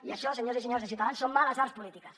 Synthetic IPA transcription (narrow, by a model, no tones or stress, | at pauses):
iaʃɔsəɲoziseɲoɾzðəsiuwt̪aðansomːaləzaɾspulit̪ikəs